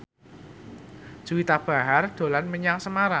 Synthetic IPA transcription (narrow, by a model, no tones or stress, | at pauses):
ʒ̥uwit̪ab̥a̤ɦard̪̥o̤lanməɲaŋsəmaɾa